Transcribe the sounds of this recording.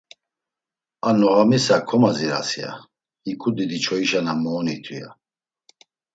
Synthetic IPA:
anɔɣamisakʰɔmaziɾa̰sia̰ | ikʼud̪id̪it͡ʃʰɔiʃanamɔːnit̪ʰuja̰

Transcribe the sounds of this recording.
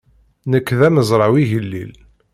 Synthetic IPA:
nəkːðæməzˤɾˤɑwiʝəlːḭl

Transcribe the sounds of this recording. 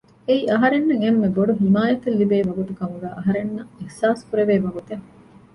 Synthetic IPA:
eiʔɐɦɐɾenːɐŋemːeboɖuɦimaːjɐt̪ɐlːibeːʋɐɡut̪ukɐmuɡæːʔɐɦɐɾenːɐihsaːskuɾeʋeːʋɐɡut̪eŋ

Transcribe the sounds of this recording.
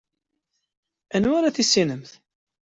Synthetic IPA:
ænwaɾaθisːinəmθ

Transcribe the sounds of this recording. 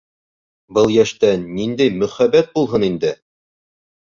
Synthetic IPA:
bɤlˠjæʃt̪ænːind̪æjmɵ̆χæbæt̪̚bulˠɦɤnind̪ɘ

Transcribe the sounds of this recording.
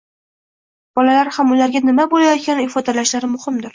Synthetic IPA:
b̥ɒlalaɾhamʊlaɾɡʲanɪmabolajɒt̪̚kʲanɪɪfɒd̪alaʃlaɾɪmʊhɪmd̪ɪɾ

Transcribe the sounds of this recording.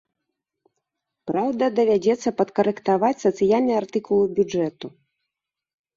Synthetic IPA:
pɾawd̪ɐd̪ɐvʲad͡zʲɛt̪sːɐpɐt̪kɐɾɛkt̪avat͡sʲsɐt̪sɨjalʲnɐjart̪ɨkulˠɨbʲud͡ʐɛt̪u

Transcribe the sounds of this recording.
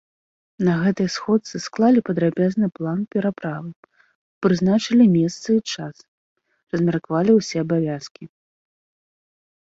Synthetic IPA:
nɐɣɛt̪ɨjsxɔt̪sɨsklˠalʲipɐd̪ɾabʲaznɨplˠanpʲɛɾapɾavɨ | pɾɨznat͡ʂɐlʲimʲɛst̪sɨit͡ʂas | rɐzʲmʲarkavalʲiwsʲɛɐbavʲaskʲi

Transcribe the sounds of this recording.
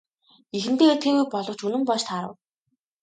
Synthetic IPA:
ixɘ̆nt̪eːert̪xeːɣujpɔɮɞ̆wt͡ɕɵnɘ̆mpɔʃt̪ʰaɾə̰̆w

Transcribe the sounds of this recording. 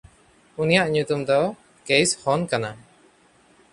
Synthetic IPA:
unijaʔɲut̪umd̪ɔ | kejshɔnkana

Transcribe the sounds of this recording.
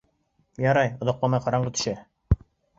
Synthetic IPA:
jɑɾɑjŏd̪ɑqlˠɑmɑjqɑɾɑɴɢɤt̪ʰɵ̥̆ʃæ

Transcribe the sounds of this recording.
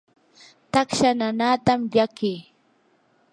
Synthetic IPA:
t̪akʃananaːt̪amʎakɪː

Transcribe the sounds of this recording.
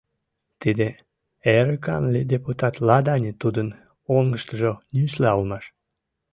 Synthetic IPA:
t̪id̪e | eɾəkɑnlʲid̪ʲeput̪ɑt̪lɑd̪ɑnʲet̪ud̪ən | oŋɡəʃt̪əʒonyslɑulmɑʃ

